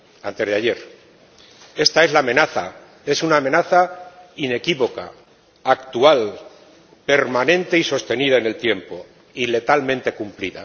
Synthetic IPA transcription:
ant̪e̞zðeaʝe̞ɾ | e̞st̪ae̞zlaːmẽ̞naθa | e̞sunaːme̞naθaine̞kiβo̞ka̰ː | kt̪ual | pe̞ɾmanẽ̞nt̪e̞iso̞st̪e̞niðaene̞lt̪je̞mpo̞ | ile̞t̪almẽnt̪e̞kumpliða̰

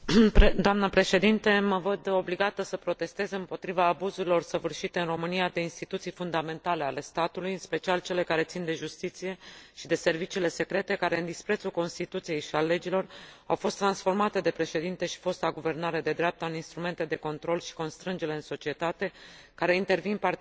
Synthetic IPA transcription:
d̪oamnəpɾe̞ʃe̞d̪int̪e̞məvəd̪o̞bliɡat̪əsəpɾo̞t̪e̞st̪e̞zeɨmpo̞t̪ɾivaːbuzuɾilo̞rsəvɨrʃit̪e̞ɨnro̞mɨnijad̪e̞inst̪it̪ut̪sijfund̪ame̞nt̪ale̞ale̞st̪at̪ulujɨnspe̞t͡ʃialt͡ʃe̞le̞kaɾe̞t̪sind̪e̞ʒust̪it̪sije̞ʃid̪e̞se̞rvit͡ʃiːle̞se̞kɾe̞t̪e̞kaɾe̞ɨnd̪ispɾe̞t̪suko̞nst̪it̪ut̪sije̞jʃialːe̞d͡ʒilo̞ra̰wfo̞st̪ːɾansfo̞rmat̪e̞d̪e̞pɾe̞ʃe̞d̪int̪e̞ʃi̥fo̞st̪aɡuve̞rnaɾe̞d̪e̞d̪ɾeap̚t̪əɨninst̪ɾume̞nt̪e̞d̪e̞ko̞nt̪ɾo̞lʃi̥ko̞nst̪ɾɨnd͡ʒe̞le̞ɨnso̞t͡ʃie̞t̪at̪e̞ | kaɾe̞int̪e̞rvinpar

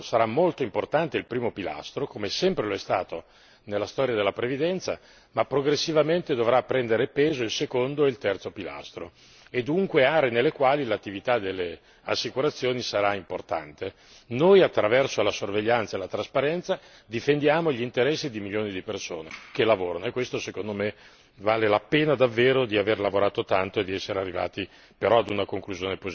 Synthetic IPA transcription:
saɾamːolt̪oimport̪ant̪eilpɾiːmopila̰st̪ɾokomesɛmpɾeloɛst̪a̰ːt̪o | nelːast̪ɔːɾjad̪elːapɾevid̪ɛnt̪sa̰ | mapːɾoɡɾesːivament̪ed̪ovɾapːɾɛnd̪eɾepeːzoilsekond̪oeilt̪ɛrt̪sopila̰st̪ɾo̰ | ed̪uŋkweaːɾeːnelːekwaːlilat̪ːivit̪ad̪elːe | asːikuɾat̪sːjoːnisaɾaimport̪a̰nt̪e | nojat̪ːɾavɛrsolasorveʎːant̪saelat̪ɾaspaɾɛnt̪sa | d̪ifend̪jaːmoʎint̪eɾɛsːid̪imiljoːnid̪ipersoːnḛkelavoːɾanoekːwest̪osekond̪ome | vaːlelapeːnad̪avːeːɾod̪iaverlavoɾaːt̪ot̪ant̪oed̪iɛsːeɾearːiva̰ːt̪i | peɾɔad̪unakoŋkluzjoːnepozi

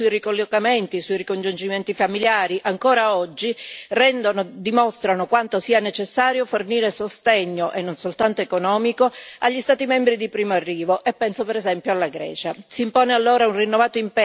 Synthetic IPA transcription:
uirikolːokament̪isuirikond͡ʒund͡ʒimɛnt̪ifamiljaːɾiʔaŋkoːɾaɔd͡ʒːirɛnd̪onod̪imɔst̪ɾanokwant̪osiːanet͡ʃesːaːɾjoforniːɾesost̪eɲːoʔenːonsolt̪ant̪oekonɔːmikoaʎːist̪aːt̪imɛmbɾid̪ipɾiːmoarːiːvoʔepːɛnsopɛɾɛzɛmpjoalːaɡɾɛ̰ːt͡ʃasiːmpoːnealːoːɾaunrinːovaːt̪oimp

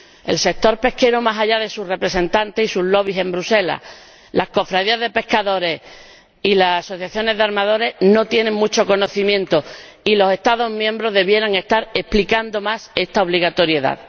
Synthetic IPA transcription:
e̞̰lse̞k̚t̪o̞ɾpe̞hke̞ɾomasaʎaðe̞sure̞pɾe̞se̞nt̪ant̪e̞sisuɦlo̞β̞ise̞mbɾuse̞la̰h | lahko̞fɾaðiaðe̞pe̞hkaðo̞ɾe̞ | ilasaso̞θjaθjo̞ne̞ðaɾmaðo̞ɾe̞no̞t̪je̞neŋmut͡ʃo̞ko̞noθimjẽ̞nt̪o | ilo̞se̞ht̪aðo̞ɦmjẽ̞mbɾo̞ðe̞βje̞ɾaŋe̞st̪aɾe̞hplikand̪o̞mase̞st̪ao̞β̞liɣat̪o̞ɾje̞ða̰ð

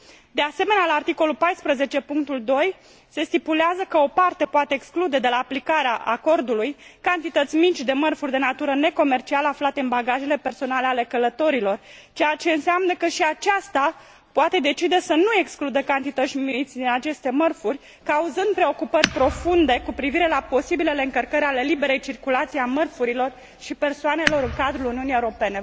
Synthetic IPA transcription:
d̪ease̞me̞nealaːrt̪iko̞lulpajspɾəze̞t͡ʃe̞puŋk̚t̪uld̪o̞j | se̞st̪ipuleazəkəo̞part̪e̞poat̪e̞ːksklud̪e̞d̪e̞laːplikaɾeaʔako̞rd̪ulujkant̪it̪ət̪sʲmit͡ʃʲd̪e̞mərfurʲd̪e̞nat̪uɾəne̞ko̞me̞rt͡ʃialəaflat̪e̞ɨnbaɡaʒe̞le̞pe̞rso̞nale̞ale̞kələt̪o̞ɾilo̞rt͡ʃe̞jat͡ʃe̞ɨnseamnəkəʃiat͡ʃast̪a | poat̪e̞d̪e̞t͡ʃid̪esənue̞ksklud̪əkant̪it̪ət̪sʲmit̪sʲd̪inat͡ʃe̞st̪e̞mərfurʲ | kauzɨnd̪̚pɾe̞o̞kupərʲpɾo̞fund̪e̞kupɾiviɾe̞lapo̞sibile̞le̞ɨŋkərkəɾʲale̞libe̞ɾe̞jt͡ʃirkulat̪sijamərfuɾilo̞r | ʃipe̞rsoane̞lo̞ɾɨŋkad̪ɾuluniunijeuɾo̞pe̞ne̞

